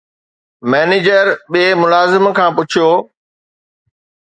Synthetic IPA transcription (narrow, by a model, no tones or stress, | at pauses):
mɛːneːd͡ʑəɾɓiːmʊlaːzɪmkʰãːpʊt͡ɕʰijoː